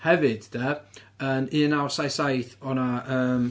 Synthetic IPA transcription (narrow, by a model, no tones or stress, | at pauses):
hɛvɨd̥d̥ɛənɨnawsajsajθɔnaəːm